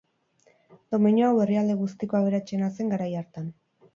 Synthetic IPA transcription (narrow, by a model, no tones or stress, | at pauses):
d̪o̞meɲoawe̞riald̪e̞ɣust̪ikoaβ̞e̞ɾat͡ʃe̞nase̞ŋɡaɾajaɾt̪an